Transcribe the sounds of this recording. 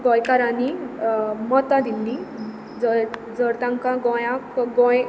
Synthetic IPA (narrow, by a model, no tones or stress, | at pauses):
ɡɔ̃jkaɾani | mɔt̪ad̪ind̪i | d͡z | d͡zəɾt̪ãŋkãɡɔ̃jãkɡɔ̃j